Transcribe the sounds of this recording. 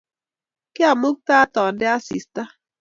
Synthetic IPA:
kɪ˦a˨mu˦k̚ta˦tɔ˨n˦dɪ˦a˦sḭ˨sta˦

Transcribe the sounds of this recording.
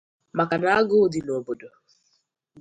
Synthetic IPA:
ma˨ka˨na˦a˦ɡʊ˦dɪ˨no˨bo˨do˨

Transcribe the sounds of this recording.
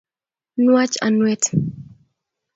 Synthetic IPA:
nwa˦t͡ʃa̰˨nwɛ˦t

